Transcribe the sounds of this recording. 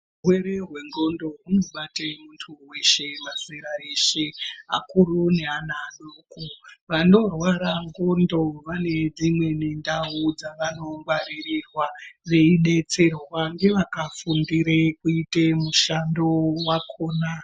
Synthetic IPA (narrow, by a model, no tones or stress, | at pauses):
ɦweɾeɦwe̞ŋɡo̞ndo̞ɦunoɓatemuntʰuwe̞ʃe̞maseɾaɾeʃea̰kuɾuneanaɗoːkoʋano̞rwaɾaŋɡo̞ndo̞ʋane̞d͡zimwe̞nindaud͡zaʋano̞ŋɡwaɾirirwaʋe̞iɗe̞t͡se̞rwoʋaŋɡe̞ʋakafundiɾekuitemuʃandowakʰoːna